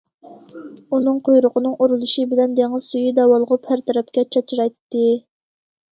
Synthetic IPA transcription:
unɨŋqʰojɾʊqʰənɨŋuɾulˠuʃibɪlɛnd̪eŋɨz̥sujid̪ɛwɑlˠəʁʊpʰæɾt̪ʰɛɾɛp̚kʲɛt͡ʃʰɛt͡ʃʰiɾɑjt̪ːɨ

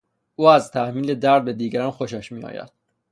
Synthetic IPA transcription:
ʔuːæzt̪ʰæhmiːled̪æɾd̪̚bed̪iːɡæɾɒːnxo̞ʃæʃmiːɒ̰ːjæ̰d̪̥

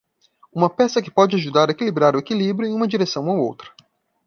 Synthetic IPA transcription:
ũmɐpɛsɐkɪ̥pɔd͡ʒɪaʒud̪aɾɐekilibɾaɾʊekilibɾjʊẽũmɐd͡ʒiɾesɐ̃w̃awo̰wt̪ɾɐ̥

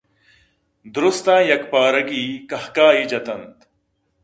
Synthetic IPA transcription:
d̪ɾust̪ãːjɐkpaːɾɐɡiːkɐhkaːid͡ʒɐt̪ɐnt̪

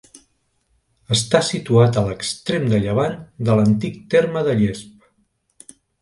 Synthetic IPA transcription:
əst̪asit̪uat̪ələkst̪ɾemd̪əʎəβ̞and̪ələnt̪ik̚t̪eɾməðəʎesp

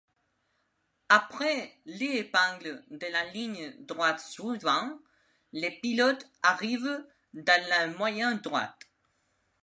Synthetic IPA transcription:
apʁɛleːpɛ̃ɡləd̪əlaliɲd̪ʁwat̪sivɑ̃ | lepilɔt̪aʁiv | d̪ãlɛmwajɛ̃nd̪ʁwa̰t̪

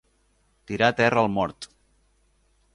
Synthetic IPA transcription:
t̪iɾat̪ɛrəəlˠmɔɾt̪

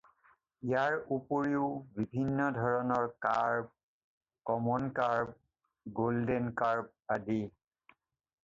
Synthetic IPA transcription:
ijaɹupoɹiʊbibʱinːɔdʱɔɹɔnɔɹka̰ɹb̚ | kɔmɔnkaɹb̚ | ɡoldenkaɹb̚adi

